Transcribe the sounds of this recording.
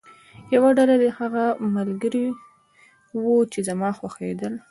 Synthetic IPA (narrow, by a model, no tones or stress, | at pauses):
jawaɖalad̪ehaɣamalɡəɾi | wut͡ʃezamɑxwaxed̪əl